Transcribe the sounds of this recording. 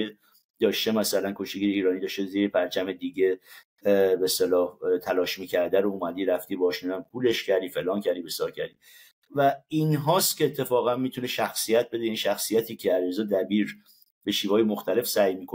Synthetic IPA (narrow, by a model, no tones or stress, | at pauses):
e | d̪̥ɒːʃt̪emæsælænkʰo̞ʃt̪eɡiːɾeiːɾɒːnid̪ɒːʃt̪eziːɾepʰæɾt͡ʃʰæme̞d̪iːɟe̞ | best̪elɒːt̪ʰælɒːʃmiːcʰæɾd̪æɾoumæd̪iːɾæft̪iːbɒːʃnud̪æmpʰuːleʃcʰæɾd̪iːfe̞lɒːncʰæɾd̪iːbestelɒkcʰæɾd̪ḭ | væinɦɒːst̪cʰʲeːt̪ʰːe̞fɒːɣænmiːt̪ʰune̞ʃæxsijæt̪̚ʰbe̞d̪einʃæxsijæt̪ʰiːcʰe̞æliɾzɒːd̪æbiːɾ | be̞ʃiːvɒːjemoxt̪æle̞fsæjmiːkʰo